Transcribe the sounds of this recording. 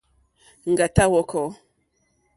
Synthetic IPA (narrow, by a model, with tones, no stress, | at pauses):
ŋ̩˨ɡa˨ta˦wɔ˦kʰɔ˨˦